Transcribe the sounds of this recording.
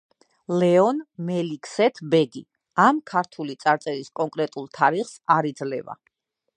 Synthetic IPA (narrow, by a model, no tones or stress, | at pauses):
lɛɔnmɛlikʰsɛt̪ʰbɛɡi | amkʰaɾt̪ʰulit̪sʼaɾt̪sʼɛɾiskʼɔŋkʼɾɛt̪ʼulˠt̪ʰaɾiχsaɾid̪zlɛva̰